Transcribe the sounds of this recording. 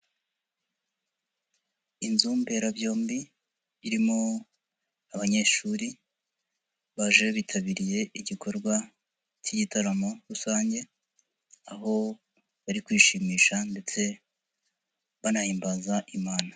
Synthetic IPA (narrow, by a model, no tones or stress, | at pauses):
inzuːmbe̞ɾavjo̞ːmbi | βiɾimo̞ | aβaɲe̞ʃuːɾi | βaʒeβitʰaβiɾije̞iɟikʰo̞ɾɡwa | ciɟitaɾamoɾusaːɲɟe̞ | aɦo̞ | βaɾikwiːʃimiːʃande̞t͡se̞ | βanahiːmbazaʔimaːna